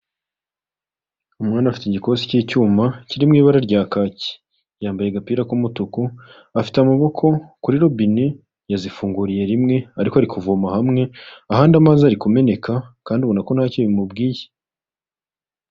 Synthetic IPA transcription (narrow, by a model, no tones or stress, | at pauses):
umŋaːnafi̥tiɟiko̞ːziciːcuːmaciɾimŋiːβaɾaɾɟaːkaːci̥ | jaːmbaje̞ɡapiːɾakumutuku | afi̥teamaβo̞kʰo̞kuɾiɾo̞bine | jazifuːŋɡuɾije̞ɾimŋe̞aɾikoaɾikuvumahamŋe̞ahaːndamaziaɾikume̞ne̞kakaːnduβo̞nako̞nhaːciβimubɡiːje̥